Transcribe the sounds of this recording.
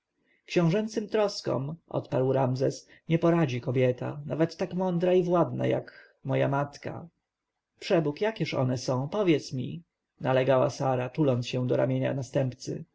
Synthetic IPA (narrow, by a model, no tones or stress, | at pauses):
kɕɔ̃w̃ʐɛnt̪sɘmt̪ɾɔskɔ̰mʔɔ̰t̪paɾwɾamzɛsɲɛpɔɾad͡ʑikɔbʲjɛt̪a̰navɛt̪ːakmɔnd̪ɾaivwad̪na̰ja̰k | mɔja̰mat̪ka̰ | pʂɛbukjakʲɛʂɔ̰nɛsɔ̃w̃pɔvʲjɛt̪smʲḭ | nalɛɡawa̰saɾatulɔnsɕɛ̃d̪ɔɾa̰mʲjeɲa̰nast̪ɛmpt̪sɘ̰